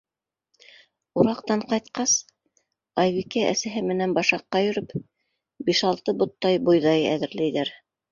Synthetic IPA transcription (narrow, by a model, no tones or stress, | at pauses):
uɾɑqt̪ɑɴqɑjt̪̚qɑs | ɑjβikæʔæ̰sæɦɘmɘ̆nænbɑʃɑqːɑjɵ̆ɾɵp | biʃɑlˠt̪ɤbŏt̪ːɑjbŏjðɑjæ̰ðɘ̆ɾlæjðæɾ